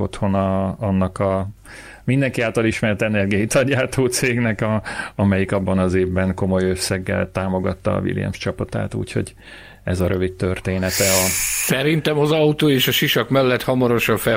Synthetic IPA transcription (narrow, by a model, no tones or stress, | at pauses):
ot̪ho̞nɒːnːɒkɒ | mind̪ɛŋkiaːlt̪ɒliʃmɛrt̪ɛnɛrɡiɒjit̪ɒɟaːt̪ʰoːt̪seːɡnɛkɒɒmɛjikɒbːɒnɒzeːvbɛŋko̞mo̞jøsːɛɡːɛ̰lt̪aːmo̞ɡɒt̪ːɒ̰ːvḭljɛ̰mʃt͡ʃɒpɒt̪a̰ːt̪ṵːcho̞̰ɟ | ɛzɒɾøvit̪t̪ørt̪eːnɛt̪ɛɒsɛɾint̪ɛmɒzɒut̪oːeːʃɒʃiʃɒkmɛlːɛt̪hɒmɒɾo̞ʃɒɱfɛ